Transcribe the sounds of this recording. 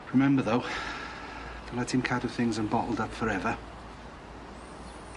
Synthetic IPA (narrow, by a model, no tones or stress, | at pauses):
ɹɪmɛ̃mbəðoʊ | tʰəlɛthɪ̃mkʰatəv̥θɪ̃ŋzə̃nbɒʔl̩ˠdʌpfəɹɛvə